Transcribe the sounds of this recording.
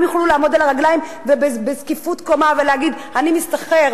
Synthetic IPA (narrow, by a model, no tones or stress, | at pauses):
mjuχlulaːmo̞d̪alaʁaɡlajim | vebebezkifut̪ko̞maveleaɡid̪ | animist̪aχeʁ